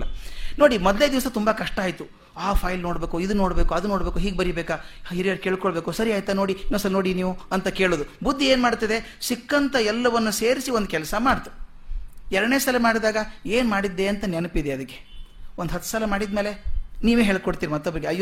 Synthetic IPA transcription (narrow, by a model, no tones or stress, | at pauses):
lɐno̞ːɽimɔd̪led̪iʋɐsɐt̪umbɐkɐʂʈaːjt̪u | aːpʰɐːjlnoːɽbeːkuid̪uno̞ːɽbeːkuɐd̪uno̞ːɽbeːkuɦiːɡ̚bɐɾibeːkaiɾijaɾkeːɭkɔɭbeːkusɐɾijaːjt̪ɐno̞ːɽiinːosɐlnoːɽiniːʋuɐnt̪ɐke̞ːɭoːd̪ubud̪ʱːieːnmaːɽt̪ɐd̪e̞ | sikːɐnt̪ɐɛlːɐʋɐnːuse̞ːɾisiond̪ukɛlɐsɐmaːɽt̪u̥ | ɛɾɐɽne̞ːsɐlɐmaːɽid̪aːɡɐe̞ːnmaːɽid̪ːe̞ɐnt̪ɐnɛnɐpid̪eɐd̪ikːe̞onɦɐt̪ːu̥saːlɐmaːɽid̪me̞ːle̞niːʋeːɦeːɭkoɽt̪iːɾimɐt̪ːɐbɾiɡeɐj